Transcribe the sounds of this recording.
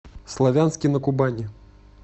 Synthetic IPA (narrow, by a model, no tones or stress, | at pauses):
slˠavʲanskʲinɐkubanʲɛ